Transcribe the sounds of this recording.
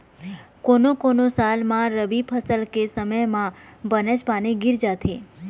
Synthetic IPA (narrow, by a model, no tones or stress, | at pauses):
konokonosalmãɾəbipʰəsəlkesəməjmãbənəd͡ʒpaneɡɪɾd͡ʒat̪ʰe